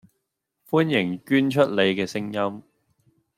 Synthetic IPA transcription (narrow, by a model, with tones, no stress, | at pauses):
fuː˥njɪ˨˩ŋkyː˥nt͡ʃʰɵ˥t̚le˨˧jkɛː˧sɪ˥ŋjɐ˥m